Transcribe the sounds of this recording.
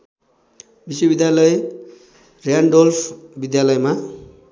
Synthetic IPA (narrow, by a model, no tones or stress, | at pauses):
biswobid̪jalʌe | rjaɳɖolfʰbid̪jalʌjma